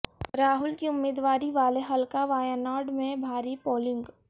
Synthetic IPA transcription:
ɾaːɦʊlkiʊmːeːd̪ʋaːɾiʋaːleɦɐlkaʋaːjənaːɾɖmẽbʱaːɾipoːlɪ̃ŋɡ

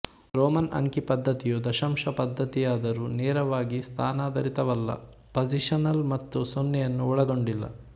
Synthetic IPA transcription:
ɾoːmɐnʔɐ̰ŋkipɐd̪ʱːɐt̪ijud̪ɐʃɐmʂɐpɐd̪ʱːɐt̪ijaːd̪ɐɾunɛːɾɐʋaːɡist̪ʰaːnaːd̪ɐɾit̪ɐʋɐlːɐ̰ | pɐd͡ʒiʂɐnɐlmɐt̪ːusonːɛjɐnːuɔɭɐɡo̞ɳɖilːɐ̰

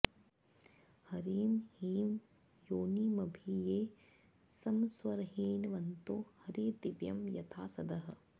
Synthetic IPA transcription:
hɐɾiːmhiːm | joːnimɐbʱijeː | sɐmsʋɐɾɦiːnʋɐnt̪oːhɐɾit̪iʋjɐmjɐt̪ʰaːsɐd̪ɐɦɐ̆

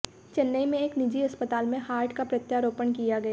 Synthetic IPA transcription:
t͡ʃɐnːəimẽeːknɪd͡ʒiɐspət̪aːlmẽhaːɾʈkapɾɐt̪jaɾoːpənkijaɡɐjaː

